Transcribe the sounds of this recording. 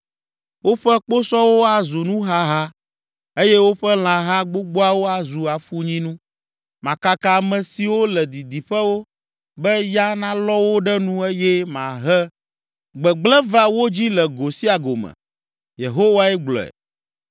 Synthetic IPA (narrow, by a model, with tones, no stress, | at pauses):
wo˦ɸɛ˦k͡po˦sɔ˦wo˦a˨zu˨nũ˦ɦa˦ɦa˦ | e˦jɛ˦wo˦ɸɛ˦l̃ã˨ɦa˦ɡ͡bo˦ɡ͡bo˦a˦wo˦a˨zu˨a˨fu˦ɲĩ˦nũ˦ | mã˨ka˦ka˨mɛ̃˨si˨wo˦lɛ˨d̪i˨d̪i˨ɸɛ˦wo˦ | bɛ˦ja˦nã˦lɔ˦wo˦ɖɛ˦nũ˦e˦jɛ˦mã˨ɦɛ˦ | ɡ͡bɛ˨ɡ͡blɛ˦va˦wo˦d͡ʑi˦lɛ˨ɡo˨si˦a˨ɡo˨mɛ̰̃˨ | je˨ɦo˦wa˦ɛ˦ɡ͡blɔ̰˨ɛ̰˨